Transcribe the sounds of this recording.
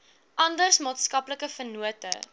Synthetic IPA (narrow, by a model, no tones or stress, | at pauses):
ʔɐndərsmɑːtskɐpləkəfənuətə̰